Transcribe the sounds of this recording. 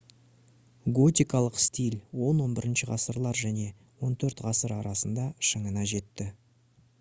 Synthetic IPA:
ɡo̞t̪ʲijkɑlˠəqst̪ʲilʲwo̞nwo̞nbɪɾɪnʃɪʁɑsəɾlˠɑɾʒæne̞ | wo̞nt̪ʰɵɾt̪ʁɑsəɾɑɾɑsənd̪ɑʃəɴənɑʒe̞t̪ːɪ

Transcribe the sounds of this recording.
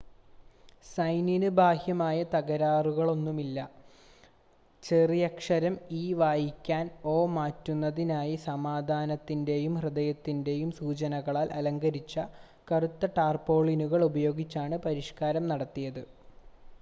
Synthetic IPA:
sɐjninubʱaːhjɐmaːjɐt̪ɐɣɐɾaːruɣɐɭo̞nːumilːɐ | t͡ɕerijɐkʂɐɾɐmiːʋaːjikʲːaːno̞ːmaːtːunːɐðinaːjisɐmaːd̪ʱaːnɐt̪ːinde̞jumhrɨd̪ɐjɐt̪ːinde̞jumsuːt͡ɕɐnɐɣɐɭaːlʔɐlɐŋɡɐɾit͡ɕːɐ | kɐrut̪ːɐʈaːrpo̞ːɭinuɣɐɭubɐjo̞ːɡit͡ɕːaːɳɨpɐɾiʂkaːɾɐmnɐɽɐt̪ːijɐðɨ

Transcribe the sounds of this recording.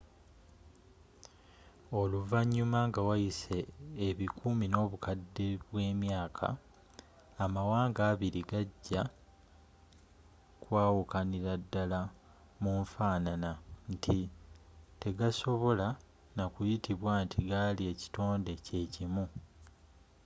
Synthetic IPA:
o̞luvaɲːumaŋɡawajise̞ːβikʰumino̞ːβukadːe̞βwe̞ːmjaːkʰa̰ː | mawaːŋɡaːβiɾiɡaɟːa | kwaːwukaniɾadːala | muɱfaːnanantʰi | te̞ɡaso̞βo̞la | nakujitiβwaːntʰiɡalie̞ci̥to̞ːnde̞ce̞ːcimu

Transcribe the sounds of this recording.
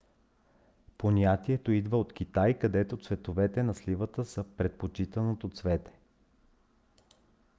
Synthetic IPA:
ponʲat̪iɛt̪oid̪vəot̪k̟ʲit̪ajkɐd̪ɛt̪ot̪svɛt̪ovɛt̪ɛnɐslivət̪əsɤpɾɛt̪̚pot͡ʃit̪ənot̪ot̪svɛt̪ɛ̥

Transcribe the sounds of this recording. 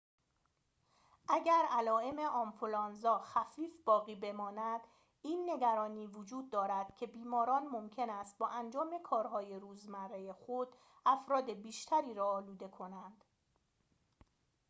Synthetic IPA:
ʔæɟæɾælɒːe̞me̞ʔɒːmfolɒːnzɒːxæfiːfb̥ɒːɣiːbe̞mɒːnæd̪̥ | iːnːe̞ɡæɾɒːniːvod͡ʒuːd̪̚ːɒːɾæd̪̥cʰe̞biːmɒːɾɒːnmo̞mcʰe̞næst̪̚bɒːʔænd͡ʒɒːme̞kʰɒːɾɦɒːje̞ɾuːzmærːejexod̪̥ | ʔæfɾɒːd̪e̞biːʃt̪ʰæɾiːɾɒːluːd̪e̞kʰo̞nænd̪̥

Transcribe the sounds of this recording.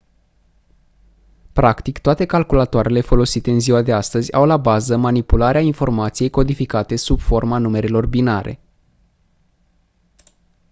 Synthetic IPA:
pɾakt̪ikt̪oat̪e̞kalkulat̪oaɾe̞le̞fo̞lo̞sit̪eɨnziwad̪e̞ast̪əzʲa̰wlabazəmanipulaɾeainfo̞rmat̪sije̞jko̞d̪ifikat̪e̞subfo̞rmanume̞ɾelo̞rbinaɾe̞̰

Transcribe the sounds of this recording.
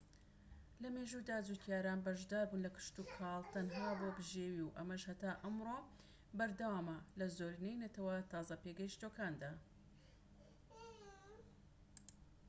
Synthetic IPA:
lɐmeʒud̪aːd͡zukʰjaːɾaːnbɐʒd̪aːɾbuːnlɐkɨ̥ʃt̪uːkʰɑlˠt̪ɐnɦaːboːbɨʒeːwiwʔɐmɐʃhɐt̪aːʔɐmɾoː | bɐɾd̪ɐwaːmɐlɐzoːɾinejnɐt̪ɐwɐt̪ɑːzɐpeɡɐjiʃt̪okaːnd̪aː

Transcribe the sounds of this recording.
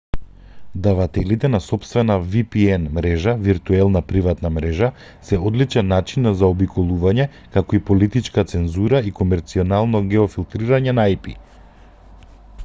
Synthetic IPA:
d̪avat̪ɛlit̪ɛnasɔpst̪vɛnavipiɛnmɾɛʒaviɾt̪uɛlˠnapɾivat̪namɾɛʒa | sɛɔd̪lit͡ʃɛnːat͡ʃinːazaɔbikʰɔlˠuvaɲɛ | kakɔipɔlit̪it͡ʃkat̪sɛnzuɾaikɔmɛɾt̪siɔnalˠnɔɡɛɔfilˠt̪ɾiɾaɲɛnaajpḭ

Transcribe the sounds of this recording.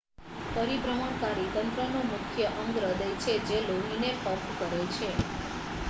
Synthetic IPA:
pəɾibɾəməɳkaɾit̪ənt̪ɾənũmʊkʰjəʔəŋɡɾəd̪əjt͡ʃʰed͡ʒeloɦinefəɾmkəɾet͡ʃʰe

